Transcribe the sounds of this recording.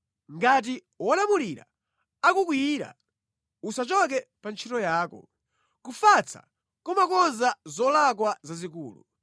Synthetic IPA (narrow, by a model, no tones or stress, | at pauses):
ŋɡat̬i | wɔɗamuliɾa̰ | akukwiːɾa̰ | usat͡ʃɔk̬ɛpant͡ʃʰitɔjaːkɔ̰ | kufat͡sʰa̰ | kɔmakɔnzazɔlakwazazikuːlṵ